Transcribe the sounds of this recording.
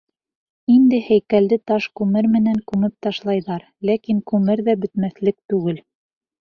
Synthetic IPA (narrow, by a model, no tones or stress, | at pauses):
ind̪ɘhæjkæld̪ɘt̪ɑʃkʉmɘɾmɘ̆næŋkʉmɘp̚t̪ɑʃlˠɑjðɑɾ | lækiŋkʉmɘɾðæbɵ̆t̪mæθlɘk̚t̪ʉɡɘl